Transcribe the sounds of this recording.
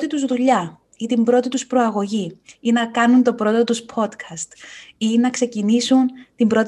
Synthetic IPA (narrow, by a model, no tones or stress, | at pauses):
t̪it̪uzðuʎɐ | it̪imbɾo̞t̪it̪uspɾo̞ɐɣo̞ʝiinɐkɐnunt̪o̞pɾo̞t̪ot̪uspʰo̞t̪kʰɐst̪inɐkse̞cinisunt̪imbɾo̞t̪